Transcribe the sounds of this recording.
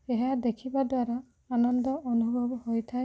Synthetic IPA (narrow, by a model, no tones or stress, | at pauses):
eɦad̪ekʰibad̪waɾa | anɔnd̪ɔɔnubʱɔbɔhojt̪ʰae